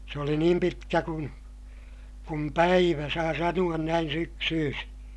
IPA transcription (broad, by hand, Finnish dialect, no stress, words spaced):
se oli niːm pitkæ kun kum pæiʋæ sɑː sɑnuɑn næin syksyːsi